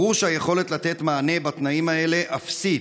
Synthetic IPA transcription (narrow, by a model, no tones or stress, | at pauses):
uʃajeχo̞le̞t̪lat̪e̞t̪maːne̞bat̪naimae̞le̞ʔafsi